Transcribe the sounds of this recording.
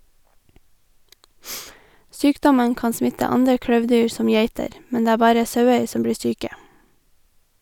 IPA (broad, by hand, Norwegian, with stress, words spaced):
ˈsyːkdɔmən ˈkɑːn ˈsmɪtə ˈɑndɹə ˈkɽøːʋˌdyːɹ ˈsɔm ˈjæɪtəɾ ˈmɛn ˈdeː ˈæː ˈbɑːɾə ˈsɑʉəɹ ˈsɔm ˈbɽiː ˈsyːkə